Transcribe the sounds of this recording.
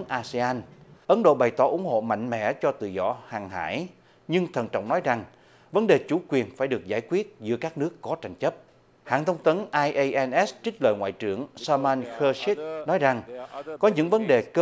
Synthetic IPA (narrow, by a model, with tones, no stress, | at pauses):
nʔaː˧sɛ˧aː˧nʔə˨˦nɗo̰˧˨ɓa˨˩jt̪ɔ˧˩ʔʊ̰˧˩ŋ͡mho̰˧˨ma̰˧˨jŋ̟mɛ̰˧˥t͡ɕɔ˧t̪ɨ̰˧˨zɔ̰˧˩haː˨˩ŋɦa̰ː˧˥˨j | ɲɨ˧ŋt̪ʰə˨˩nt͡ɕɔ̰˧˨wŋ͡mnɔ˨˦jza˨˩ŋ | və˨˦nɗe˨˩t͡ɕu˧˩kwi˨˩ənfaː˧˩jɗɨ˨˩ək̚zaː˧˩jkwi˦˥ət̚zɨ̰˧˥əkaː˦˥k̚nɨ˦˥əkːɔ˨˦t͡ɕa˨˩jŋ̟t͡ɕə˦˥p̚ | ha̰ː˧˨nt̪ʰə˧wŋ͡mt̪ə˨˦nʔaː˧jʔə˧jʔɛ˧nʔɛ˦˥st͡ɕï̟˦˥lə̰ː˧˨ŋwa̰ː˧˨jt͡ɕɨ˧˩əŋsaː˧maː˧nxəː˧si˦˥t̚nɔ˨˦jza˨˩ŋkɔ˨˦ɲɨ̰˧˥ŋvə˨˦nɗe˨˩kə˧